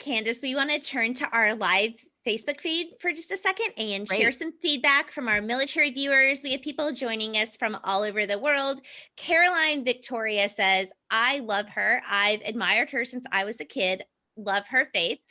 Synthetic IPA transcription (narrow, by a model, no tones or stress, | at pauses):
kʰæ̃ndɨswiwɑ̃nɨtʰɜ̃˞ntʰɨʔaʊə˞laɪv̥ | feɪsb̥ʊkfid̥fə˞d͡ʒʌstɨsɛkɨ̃ndɨ̃nʃɛɹsʌ̃ɱfid̚bækfɹʌ̃maʊə˞mɪlˠətʰɛɹivjʉə˞zwiɨv̥pʰipl̩ˠd͡ʒɔ̃ɪ̃nɪ̃ŋʌsfɹʌ̃mɔlˠoʊvə˞ðəwɜ˞lˠd̚kʰɛɹɨlãɪ̃nvɨk̚tʰɔɹiɨsɛzʔaɪlʌv̥ə˞ʔaɪvɨ̰d̚maɪə˞d̚hə˞sɪ̃nsa̰ɪwʌzɨkʰɪd | lʌv̥ə˞feɪθ